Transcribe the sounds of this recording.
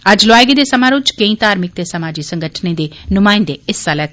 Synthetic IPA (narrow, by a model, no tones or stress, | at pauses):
əd͡ʒlʊaːjɡed̪eːsəmãːɾʊt͡ʃkə̃ĩːt̪aːɾmɪk̚d̪eːsəmaːd͡ʒiːsə̃ŋɡəʈʰnẽːd̪eːnʊmaːɪ̃nd̪eɪsaːlɛː